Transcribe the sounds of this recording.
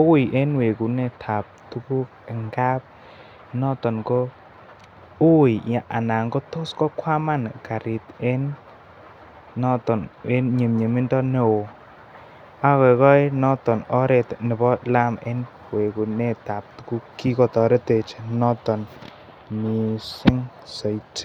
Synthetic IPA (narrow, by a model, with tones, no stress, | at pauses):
o˦wjʔe˦nwe˨ku˨ne˦˨tʰa˨p̚tu˦ku˦k̚e˨ŋɡa˦p̚ | nɔ˦tɔ˨nko˦ | u˦˨jja˨ʔa˨na˨ŋɡo˦to˦skɔ˦kwa˦ma˦nka˨ɾɪ˨te˦n | ɔ˦tɔ˨ne˦nɲe˨mɲe˨mɪ˦ndɔ˦ne˦˨wo˨ | a˦ke˨kɔ˦jnɔ˦tɔ˨nɔ˦ɾe˨tnɪ˨bɔ˦la˦me˦n | we˨ku˨ne˦ta˨p̚tu˦ku˦kkːi˦kɔ˨tɔ˨ɾɛ˦te˨t͡ʃe̥˨nɔ˦tɔ˨n | mi˨sɪ˦ŋ | sɔ˨jtɪ˦